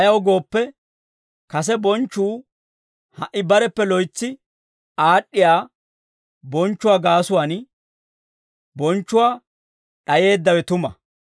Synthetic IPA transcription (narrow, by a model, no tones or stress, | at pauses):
ɐjɐwɡo̞ːpːɛ | kɐs̬ɛbɔnt͡ʃːuː | hɐʔːɪbɐɾɛpːɛlɔjt͡sːɪ | aːɗːɪjaː | bɔnt͡ʃːʊwaːɡaːsʊwaːn | bɔnt͡ʃːʊwaː | ɗɐje̞ːd̪ːɐwɛt̪ʊmɐ̰